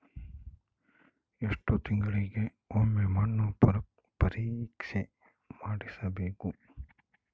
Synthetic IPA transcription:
eʂʈut̪iŋɡɐɭiɡe | omːemaːnːupuɾɐk̚ | pɐɾiːkʂe | maːɽisɐbeːku

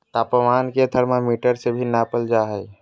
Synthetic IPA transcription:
t̪aːpəmaːnket̪ʰəɾmẽmiːʈəɾsebʱinaːpəld͡ʒaːɦəi

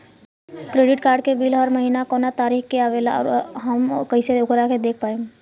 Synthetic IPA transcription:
kɾeːɖɪʈkaːɾɖ̚kebiːlɔːɾmɐɦiːnakɔːnat̪aːɾiːxkeaːʋeːla̰ɔ̰ːɾɦəmkɐĩseʊɡɾaked̪eːk̚ʰpaːẽ

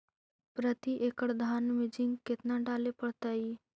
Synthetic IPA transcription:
pɾət̪iʔeːkəɽd̪ʱaːnmɪd͡ʒɪ̃ŋɡkɪt̪naɖaːlepəɽt̪aiː

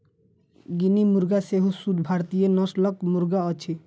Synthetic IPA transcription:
ɡinimuɾɡaseɦusud̪ʱbʱaɾt̪ijenɔslɔkmuɾɡaɔt͡ʃʰi

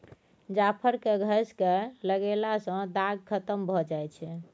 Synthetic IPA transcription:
d͡ʒapʰəɾkeɡʱəskeləɡelasə̃d̪aɡkʰət̪əmbʱɔd͡ʒajt͡ʃʰɛ

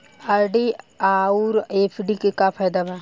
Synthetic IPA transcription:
ɐɾɖiaːuɾepʰɖikekapʰajd̪abɛ

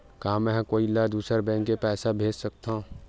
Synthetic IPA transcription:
kãmɛ̃ɦkoːilad̪uːsəɾbɛ̃ːŋkːepɛːsabʱeːd͡ʒsək̚t̪aũ

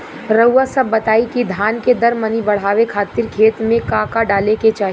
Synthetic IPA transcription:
ɾɐuwasɐbːɐt̪aːikid̪ʱaːnked̪ɐɾmənibɐɽ̤aːʋekʰaːt̪ɪɾkʰeːt̪mẽkaːkaɖaːleket͡ʃaːɦ

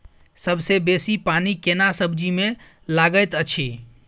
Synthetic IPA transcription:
səbʱsebesipanikenasəbʱd͡ʒime | laɡəjt̪ət͡ʃʰi

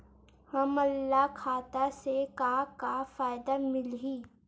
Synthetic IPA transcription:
hɐmɐlːaɦkʰaːt̪asekaːkafaːɪd̪amɪlɦiː

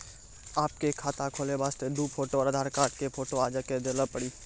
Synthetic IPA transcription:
aːp̚kekʰaːt̪akʰoːlebaːst̪ed̪uːpʰoːʈoɔːɾəd̪ʱaːɾkaːʈkepʰoːʈoaːd͡ʒaked̪eləpəɽiː

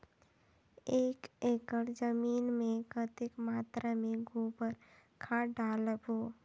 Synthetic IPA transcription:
eːkeːkəɾd͡ʒəmiːnmẽɡət̪ɪkmaːt̪ɾamẽɡupəɾkʰaːɖaːləboː

